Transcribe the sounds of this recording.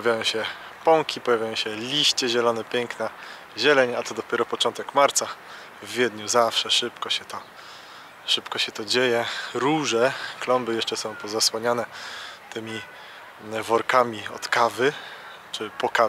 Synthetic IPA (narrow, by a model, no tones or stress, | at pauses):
pavʲjajɔ̃w̃ɕɛ | pɔŋkʲipɔjavʲjajɔ̃w̃ɕɛlʲiɕt͡ɕɛʑɛlɔnɛpʲjɛŋkna | ʑɛlɛɲat̪ɔd̪ɔpʲjɛɾɔpɔt͡ʂɔnt̪ɛkmaɾt̪sa | vːʲjɛd̪ɲuzafʂɛʂɘpkɔɕɛt̪ɔ | ʂɘpkɔɕɛt̪ɔd͡ʑejɛɾuʐɛklɔmbɘjɛʂt͡ʂɛsɔ̃w̃pɔzaswaɲanɛt̪ɘmʲi | vɔɾkamʲiɔ̰t̪kavɘ | t͡ʂɘpɔka